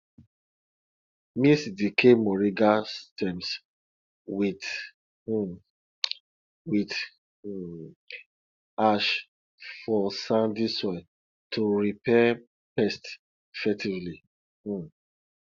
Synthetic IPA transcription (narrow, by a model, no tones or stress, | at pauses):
misdikʰemɔɹiɡastɛ̃ms | wit | wit | aʃ | fɔsãndisɔ | tʰuɹipɛ | pɛst | fɛtivli